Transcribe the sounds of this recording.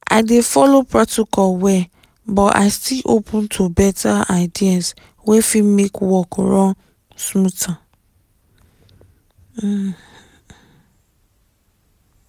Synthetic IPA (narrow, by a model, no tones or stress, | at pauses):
ʔa̰ɪdefɔlopʰɹɔtikʰɔlwɛ | bɔa̰ɪstilʔopʰũntʰubɛtʰaaɪdiãns | wɛfimekwɔkɹɔ̃n | smũtʰã